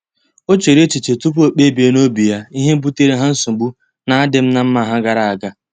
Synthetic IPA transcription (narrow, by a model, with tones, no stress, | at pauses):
o˦t͡ʃe˨ɾe˦t͡ʃi˨t͡ʃe˨tu˦p̬o˨k͡pe˦be˨˦no˦bi˨ja˦i˦ɦe˦m̩˦bu˦te˦ɾe˦ɦa˦n̩˦su˨ɡ͡bu˦ | na˨a˦dɪ˨m̩˦na˦m̩˦ma˦˨ɦa˦ɡa˨ɾa˨a˨ɡa˨